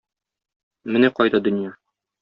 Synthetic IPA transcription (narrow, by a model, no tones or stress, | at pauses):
mɘnæqɒjd̪ɑd̪ɵ̆njɑ